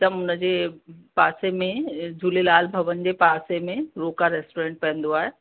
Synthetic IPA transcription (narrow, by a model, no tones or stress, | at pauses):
t̪ɐmʊnə̆d͡ʑeːpaːsemẽd͡ʑulelaːlbʱɐʋənɪ̆d͡ʑeːpaːsemẽɾoːkaɾeːsʈoɾẽːɳʈ̚pɐɦə̃nd̪oaːɦe